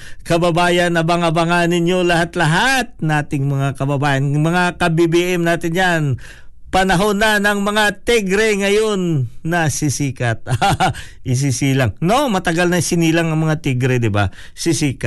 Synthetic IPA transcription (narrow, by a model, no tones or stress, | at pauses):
kɐbɐbaːjɐnɐbɐŋɐbɐŋanɪɲjo̞lɐhat̪lɐɦat̪̚nɐʔaːt̪ɪŋmɐŋakɐbɐbaːjɐnmɐŋakɐbibiːʔɛmnaːt̪ɪnjan | pɐnɐɦo̞nɐnɐŋmɐŋat̪iɡɾɛŋɐjo̞nːɐsɪsiːkɐt̪̚aʔɪs̬isiːlaŋno̞mɐt̪ɐɡalnɐsɪniːlɐŋɐŋmɐŋat̪iɡɾɛd̪ɪba̰ | sɪsiːkɐt̪̚